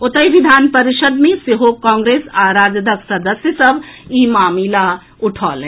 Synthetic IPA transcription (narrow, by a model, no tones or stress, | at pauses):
ʊt̪əjʋid̪ʱaːnpɐɾiʃəd̪mẽseɦokɔ̃ːŋɡɾeːsaːɾaːd͡ʒəd̪əksɐd̪əsjəsɐbʱiːmaːmila | ʊʈʰɔ̰ːlẽ